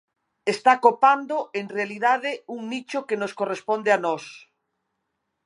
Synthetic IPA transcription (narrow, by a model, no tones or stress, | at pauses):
est̪akopand̪oeŋrealiðaðeuŋnit͡ʃokenoskorespond̪eanɔs